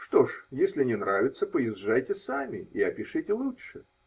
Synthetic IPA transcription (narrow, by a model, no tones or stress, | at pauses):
ʂt̪o̞ʂjesʲlʲɪnʲɪnɾavʲɪt̪səpəɪzʐajtʲɪsamʲɪiɐpʲɪʂɨtʲɪlˠutʂɨ